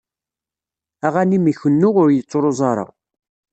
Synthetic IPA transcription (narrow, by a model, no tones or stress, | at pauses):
æʁanimiçənːʊʁʊɾjət͡sːoɾˤozˤɑɾˤɑ̰